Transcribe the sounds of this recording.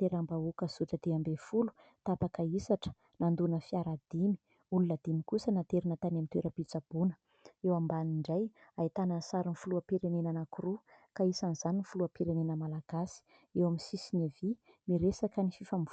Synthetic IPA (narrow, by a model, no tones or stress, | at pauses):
t̪eɾambaukəzuʈ͡ʂəd̪eambefulu̥ | t̪apakaisaʈ͡ʂə̥ | nand̪unəfiaɾad̪̥imi̥ | ulunəd̪imikusənat̪eɾinat̪anamint̪weɾəpit͡sab̥unə̥ | ewambaniɳɖ͡ʐajait̪anəsaɾinfuluapiɾenenanakuɾukaisaniz̥aninifuluapiɾenenəmalaɡ̥asi̥ | ewaminsisinavi | miɾesakənififam